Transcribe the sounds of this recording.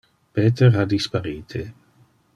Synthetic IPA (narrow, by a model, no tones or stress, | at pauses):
peːt̪eɾad̪ispaɾiːt̪ʰe